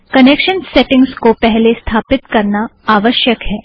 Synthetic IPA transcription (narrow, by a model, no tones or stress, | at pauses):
kɐnekʃənseʈɪ̃ŋɡskopɛɦlest̪ʰaːpɪt̪kɐɾnaaːʋəʃjəkɦɛː